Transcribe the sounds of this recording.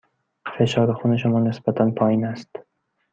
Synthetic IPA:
qʰfeʃɒɾɪχʊnɪʃʊmɒnɪsbat̪ʰanpʰɒjinast̪

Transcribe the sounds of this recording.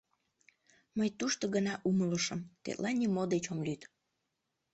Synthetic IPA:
məjt̪uʃt̪oɣənɑʔumələʃəmt̪ḛt̪lʔɑnʲːimod̪et͡ɕomlyt̪

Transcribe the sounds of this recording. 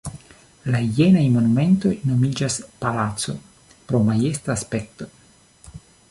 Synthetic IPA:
laijenajmo̞nume̞nto̞jno̞mid͡ʒaspalaso̞̰ | pɾo̞maje̞staːspe̞k̚to

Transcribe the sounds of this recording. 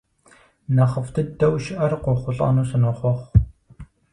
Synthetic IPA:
nɐχəftʰɨdɐwʃɪʔɐrqʷɔχʷʊɬʼɑ̰ːnuːsɨnoχʷɔχʷ

